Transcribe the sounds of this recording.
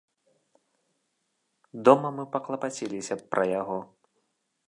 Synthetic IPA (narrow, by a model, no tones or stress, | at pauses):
d̪ɔmɐmɨpɐklˠɐpat͡sʲilʲisʲɐpɾʔɐjaɣɔ